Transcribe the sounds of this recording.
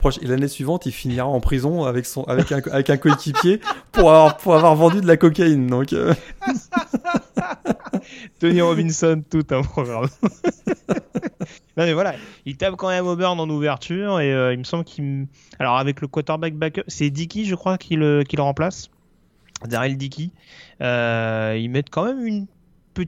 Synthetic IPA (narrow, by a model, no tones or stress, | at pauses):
pχɔʃelanesɥivɑ̃t̪ilfiniʁaɑ̃pχizɔ̃avɛksɔ̃a̰vɛkɛ̃avɛkɛ̃koekʲipjepuʁavwaʁpuʁavwaʁvɑ̃d̪yd̪əlakɔkaind̪ɔ̃kø̰ | t̪ɔniʁɔbinsɔnt̪ut̪ɛ̃pχɔɡʁam | nɔ̃mɛvwalailt̪apkɑ̃mɛmobœʁd̪ɑ̃nuvɛʁt̪ʰyʁeøilməsɑ̃bləkʰi | alɔʁavɛkləkwat̪ɛʁbak̚bakœsɛd̪ikʲiʒəkχwakʰʲiləkʲilʁɑ̃plas | d̪ɛʁjɛld̪ikʲi | øilmɛt̪kɑ̃mɛmyn | pə